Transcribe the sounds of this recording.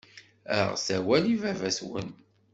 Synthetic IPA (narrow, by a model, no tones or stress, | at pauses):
æʁsæwælivævæswə̰n